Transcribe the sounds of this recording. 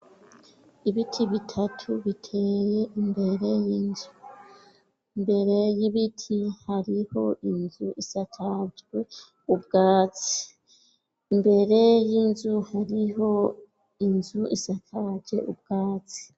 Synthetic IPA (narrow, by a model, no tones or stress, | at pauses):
iβitʰiβitʰatʰuβitʰe̞je̞ʔimbe̞ɾe̞jinzu | imbe̞ɾe̞jiβitʰihaɾiho̞ʔinzuʔisatʰatɡwe | ub̚ɡaːt͡si̥ | imbe̞ɾe̞jinzuhaɾiɦo̞ | inzuʔisatʰad͡ʒe̞̰ʔub̚ɡ̥aːt͡si̥